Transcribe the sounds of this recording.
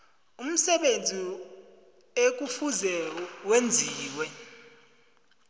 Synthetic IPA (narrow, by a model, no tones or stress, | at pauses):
um̩sɛɓend͡zʱi | ek̬ufuzɛwend͡zʱiːwɛ